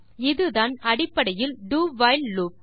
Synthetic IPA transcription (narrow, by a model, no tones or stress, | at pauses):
ɪðɯðaːnɐɽɪpːɐɽɐjɪlɖuːʋɐɪlːuːp̚